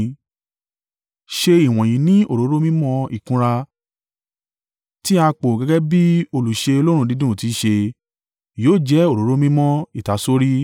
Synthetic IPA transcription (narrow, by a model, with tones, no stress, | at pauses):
ʃe˧i˨w̃ɔ̃˨ji˨˦nĩ˦o˦˨ɾo˨˦ɾo˦mĩ˦mɔ̃˦i˨kũ˧ɾa˧ | ti˦a˧k͡po˨ɡɛ˧˦ɡɛ˦bi˦o˧lu˨ʃe˧o˧lo˦ɾ̃ũ˧˦di˨˦dũ˦˨ti˨˦ʃe˧ | joː˦˨d͡ʒɛ˨˦o˦˨ɾo˨˦ɾo˦mĩ˦mɔ̃˦i˦˨ta˨˦so˦ɾi˦